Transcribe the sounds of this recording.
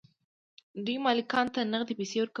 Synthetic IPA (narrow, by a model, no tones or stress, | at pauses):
d̪ujmɑlɪkɑnt̪anaɣd̪epesewəɾk